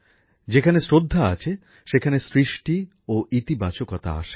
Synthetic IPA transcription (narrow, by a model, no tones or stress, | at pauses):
d͡ʑekʰanesɾod̪ʱːaa̰t͡ɕʰe | ʃekʰanesɾiʃʈi | oʔit̪ibat͡ɕokɔt̪a̰a̰ʃe̥